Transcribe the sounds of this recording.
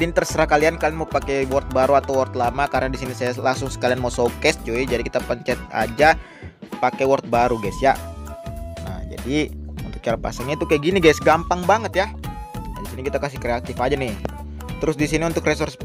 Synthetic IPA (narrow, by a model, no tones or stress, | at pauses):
dint̪ərsəɾakaliankalinmopakɛwɔrt̪̚baɾuat̪awɔrt̪lamakaɾənadisinisajalasʊŋsə̥kalianmosokɛst͡ʃuɛd͡ʒadikit̪apəɲt͡ʃɛt̪̚a̰d͡ʒa | pakɛwɔrt̪̚baɾuɡajsja | na̰d͡ʒa̰diunt̪ʊ̥k̚t͡ʃaɾapa̰saŋɲat̪ukaɡiniɡajsɡampaŋbaŋət̪ja | disinikit̪akas̬ɪhkɾeat̪ɪfad͡ʒanɪh | t̪əɾʊs̬disiniunt̪ʊkres̬ʊrs